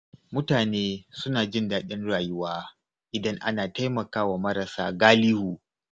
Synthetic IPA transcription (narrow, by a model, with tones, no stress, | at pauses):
mʊ˦taː˨neː˦sʊ˦naː˨d͡ʒɪ˦ndaː˨ɗɪ˦nɽaː˨jʊ˦waː˦ | ʔɪ˨dɐ˦ŋʔa̰˦naː˨ta˦jmɐ˨kaː˦waː˨mɐ˦ɾa˨sa̰ː˦ɡaː˦lɪ˦huː˨